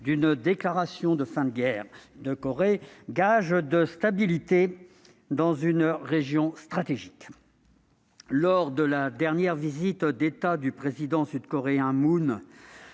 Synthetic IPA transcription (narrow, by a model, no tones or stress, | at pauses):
d̪ynd̪eklaʁasjɔ̃d̪əfɛ̃t̪ɡɛʁd̪əkɔʁeɡaʒd̪əst̪abilit̪e | d̪ɑ̃zynʁeʒjɔ̃st̪χat̪eʒik | lɔʁd̪əlad̪ɛʁnjɛʁvizit̪d̪et̪ad̪ypχezid̪ɑ̃syd̪kɔʁeɛ̃mun